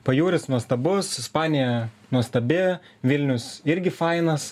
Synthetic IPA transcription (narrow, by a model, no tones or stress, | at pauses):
pɐjuːɾʲɪsnuɔst̪ɐbʊsɪspɑːnʲɪjɛ | nuɔst̪ɐbʲɪ | ʋʲɪlʲnʲʊsɪɾʲɡʲɪfɑɪnɐs